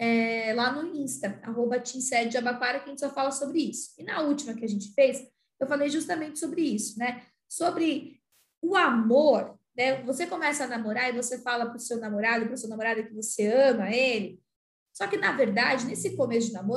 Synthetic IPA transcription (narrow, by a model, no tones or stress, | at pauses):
ɛlanʊĩst̪ɐa̰ɦobɐt͡ʃĩsɛd͡ʒd͡ʒabakwaɾɐkɐʒẽt͡ʃɪ̥sɔfalɐsobɾɪisʊ̥ɪnɐut͡ʃimɐkɪɐʒẽnt͡ʃɪ̥fejs | ewfalejʒust̪ɐmẽnt͡ʃɪ̥sobɾɪisʊ̥nɛ | sobɾɪ | ʊamoɾ | nɛvosekomɛsɐːnamoɾaɾɪvosefalɐpʊɾsewnamoɾad̪ʊpɾʊsuɐnamoɾad̪ʊɪ̃kɪvoseɐ̃mɐelɪ | sɔkɪnɐveɾd̪ad͡ʒɪnesɪkomesʊd͡ʒɪnamo